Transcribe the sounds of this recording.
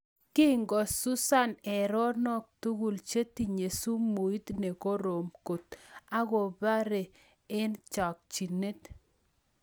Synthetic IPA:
kɪ˦ŋɡɔ˨su˦sa˦˨nɛ˨ɾɔ˦nɔ˦k̚tu˦ɣu˨lt͡ʃe˦ti˨ɲe˨su˦mu˨i˦t̪ne˨ko˦ɾo˨mko˨t̪a˦ɣo˨ba˦ɾe˨ | ɪ˦nt͡ʃɔ˨k̚t͡ʃi˨ne˦t

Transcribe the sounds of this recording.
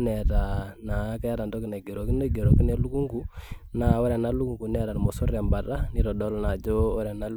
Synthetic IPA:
nɛ˨ta˨na˨˦kɛ˦ɾa˨ndɔ˦ki˨na˨ɡe˨ɾo˨ki˦ne˦ɡe˨ɾo˨ki˦ne˦lu˦ku˦ŋɡu˦na˨wɔ˦ɾɛ˨na˦lu˦ku˨ŋɡu˨nɛ˦ɾa˨n˨mɔ˨su˦ɾɛ˨mba˨ta˦ni˦ɾɔ˨dɔ˦lna˨d͡ʒɔ˦ɔ˦ɾɛ˨na˦l

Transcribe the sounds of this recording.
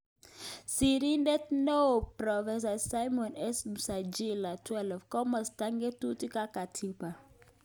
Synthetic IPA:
si˨ɾi˦ndɛ˦tno˦˨pɾɔ˨fɛ˦s̬a˨sa˦jmɔ˨nɛ˦smsa˨d͡ʒi˦la˨tʰwɛ˦lfkɔ˦ma˨sta˦ŋɡɛ˦tu˦ti˦ka˦ka˨tʰi˦pa˨

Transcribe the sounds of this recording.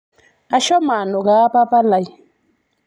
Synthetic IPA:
a˦ʃɔ˦ma˨nɔ˨ka˦pa˦pa˦la˨i˨

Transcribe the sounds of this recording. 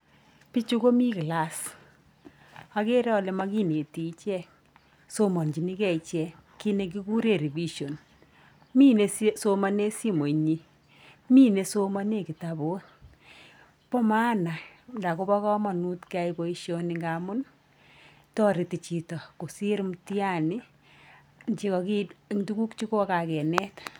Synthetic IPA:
pi˦t͡ʃu˦ko˦mi˦kla˦s | a˦ke˦ɾɛ˦ɔ˨le˨˦ma˦ki˦ne˨ti˨˦t͡ʃɛ˦ | so˦mɔ˨nd͡ʒi˨ni˦kɛ˦˨i˨t͡ʃɛ˨˦ki˦ne˨k̬i˦ku˦ɾe˨ɾi˨bi˦ʃo˨n | mi˦ne˦sso˦ma˦ne˦si˦mo˨ɲi˦ | mi˦ne˨so˦ma˦ne˦˨ki˨ta˨bo˦t | pɔ˦ma˦na˨nda˨ko˦bɔ˦kɔ˦mɔ˨nu˦tka˦i˨ko˦i˦ʃjo˦niŋɡa˨mʊ˦n | tɔ˦ɾi˨ti˨t͡ʃi˨tɔ˨ko˨si˦ɾmti˦a˦nɪ˦ | nt͡ʃi˦kɔ˨ki˦˨ŋtu˦ku˦kt͡ʃi˦ko˦ka˨kɛ˨nɛ˦t

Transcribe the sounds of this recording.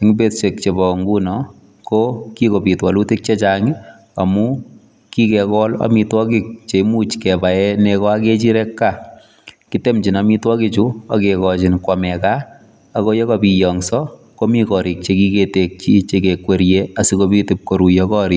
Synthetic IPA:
i˨ŋibe˦tse˨k̚t͡ʃebɔ˨ŋɡu˦nɔ | kokiko˨pi˨twa˨lu˦ti˦k̚t͡ʃe˦t͡ʃaŋi˦ | a˨mu | ki˦kɛkɔ˦la̰mi˧twɔ˦ki˨k̚t͡ʃe˨mu˦t͡ʃkɛ˨ba˨ɛ˦nɛkɔ˦a˦ke˦t͡ʃi˦ɾɛkːa | kite˦mt͡ʃi˨namitwɔ˦kit͡ʃua̰˨kekɔt͡ʃi˨nkwa˨mɛkaː˦ | ko˦jɔ˦kɔpi˨jɔ˨ŋsɔ | ko˦mi˦kɔ˨ɾi˨k̚t͡ʃeki˦ketek̚t͡ʃi˦t͡ʃekekwe˨ɾjea˨si˦kopiti˨p̚ko˨ɾu˨jɔkɔ˦ɾi

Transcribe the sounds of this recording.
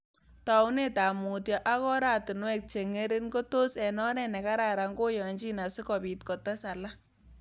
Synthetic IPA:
ta˨ʊ˦ne˦ta˨mu˨tjɔ˨ʔa˦kɔ˦ɾa˦tɪ˨nwɛ˦k̚t͡ʃe˨ŋe˦ɾe˦nko˦to˦sɛ˨nɔ˦ɾɛ˦nɛ˨ka˦ɾa˨ɾa˨ŋɡo˦jɔ˨ɲt͡ʃi˦na˨sɪ˦kɔ˨pi˨t̚kɔ˨ta˦sa˨la˦

